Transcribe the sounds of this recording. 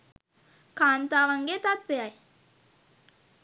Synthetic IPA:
kaːnt̪aːʋaŋɡet̪at̪ʋeaj

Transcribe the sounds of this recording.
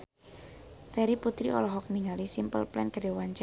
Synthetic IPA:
t̪ɛɾiput̪ɾiɔ̰lɔɦɔk̚niŋalisimpəlplɛ̰nkədewaɲt͡ʃ

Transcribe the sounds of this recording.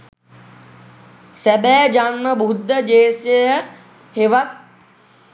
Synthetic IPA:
sɛbɛːd͡ʒanməbʱud̪ʱːəd͡ʒeːsəjə | heʋat̪̚

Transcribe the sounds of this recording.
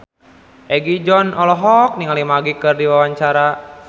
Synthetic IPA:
ʔɛɡid͡ʒɔnɔlɔɦɔk̚niŋalimaɡikɨrdiwawaɲt͡ʃaɾa

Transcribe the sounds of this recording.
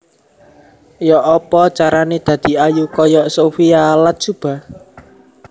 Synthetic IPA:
jɔʔɔpɔt͡ʃaɾaned̪̥ä̤d̪̥i̤ajukɔjɔʔsofialat̪̚ʒ̥ṳb̥a̤

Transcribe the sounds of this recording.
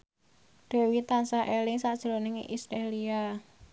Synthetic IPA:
ɖ̥e̤wit̪ansaʔelɪŋsaʔd̥ʒ̥ɾonɪŋ̰ʔisɾelia

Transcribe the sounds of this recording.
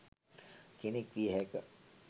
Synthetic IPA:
kenekʋiəɦɛkə

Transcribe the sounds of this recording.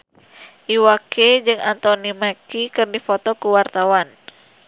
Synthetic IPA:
ʔiwaked͡ʒɨŋant̪onimakikɨrdifot̪ɔkəwart̪awan

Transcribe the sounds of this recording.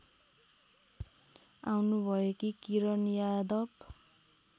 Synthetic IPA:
awnubʱʌjekikiɾʌnjad̪ʌb

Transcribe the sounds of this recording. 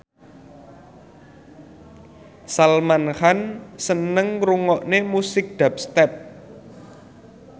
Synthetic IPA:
salmanxansənəŋɾuŋɔʔnemusɪk̚d̪̥a̤p̚st̪ɛp̚

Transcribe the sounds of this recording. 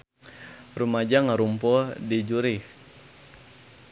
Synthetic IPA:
rumad͡ʒaŋaɾumpɔdid͡ʒuɾih

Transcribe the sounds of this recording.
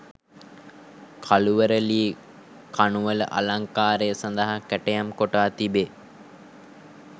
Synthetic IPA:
kʰaluʋəɾəliː | kanuʋələʔa̰laŋkaːɾejəsand̪əɦakæʈejamkoʈaːt̪ibe

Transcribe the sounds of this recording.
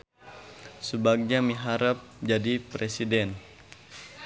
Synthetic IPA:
səbaɡ̚ɲamiɦaɾap̚d͡ʒadipɾesidɛn

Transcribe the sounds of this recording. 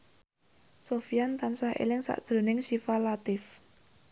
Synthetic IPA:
sofijant̪ansaɦʔḛlɪŋsa̰ʔd̥ʒ̥ɾo̤nɪŋʃifalat̪ɪf

